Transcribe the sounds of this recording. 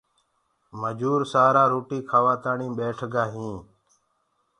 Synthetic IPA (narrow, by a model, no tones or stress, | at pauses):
məd͡ʒuːɾsaːɾaːɾoːʈiːkʰaːʋaːt̪aːɳĩːɓeːʈʰɡaːɦĩː